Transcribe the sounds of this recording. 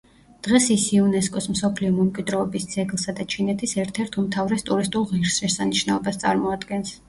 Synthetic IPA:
d̪̥ʁɛsisiunɛskʼɔsmsɔpʰliɔmɛmkʼwid̪ɾɔːbisd̪z̥ɛɡlˠsad̪at͡ʃʰinɛt̪ʰisɛɾt̪ʰɛɾt̪ʰumt̪ʰavɾɛst̪ʼuɾist̪ʼulˠʁiɾsɾɛsaniʃnaɔbast̪sʼa̰ɾmɔad̪ɡɛns

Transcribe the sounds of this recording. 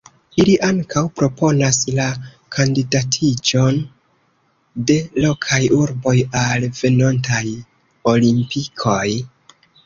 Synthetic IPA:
iliʔaŋkʰawpɾo̞po̞nasla | kʰandidatʰid͡ʒo̞n | de̞lo̞kʰajuɾbo̞jalve̞no̞ntaj | o̞limpikʰo̞j

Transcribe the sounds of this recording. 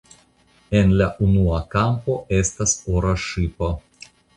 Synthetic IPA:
enlaʔunuakampo̞e̞st̪asoɾaʃipo

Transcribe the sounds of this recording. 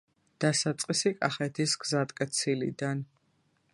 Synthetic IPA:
d̪̥asat̪sʼqʼisikʼaχɛt̪ʰisɡzat̪ʼkʼɛt̪sʰilḭd̪an

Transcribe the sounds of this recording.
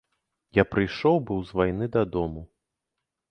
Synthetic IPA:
japɾɨjʂɔwbɨwzvajn̪ɨd̪ɐd̪ɔmu

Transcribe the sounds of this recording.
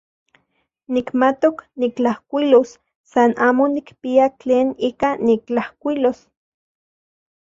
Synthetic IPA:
nikmat̪oknikt͡ɬahkʷilosː | anaːmonikpiat͡ɬeːniːkanːik̚t͡ɬahkʷilos

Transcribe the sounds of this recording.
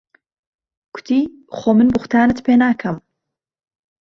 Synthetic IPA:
ɡ̥ʰʊ̥t̪ʰiː | xoːmɨnbɨxʷt̪ʰaːnɨt̪pʰeːnaːkʰɐm

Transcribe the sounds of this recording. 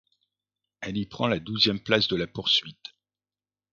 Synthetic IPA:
ɛlipχɑ̃lad̪uzjɛmplasd̪əlapuʁsɥit̪

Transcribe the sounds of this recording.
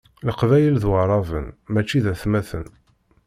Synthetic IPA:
ləqvæjəlðwəɾˤɑvə̰nmæt͡ʃːiðæθmæθən

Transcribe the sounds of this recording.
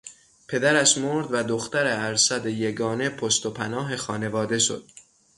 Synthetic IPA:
pʰe̞d̪æɾæʃmoɾd̪væd̪oxt̪æɾeæɾsæd̪ejeɡɒːne̞pʰost̪o̞pʰænɒːɦe̞xɒːne̞vɒːd̪e̞ʃo̰d̪̥

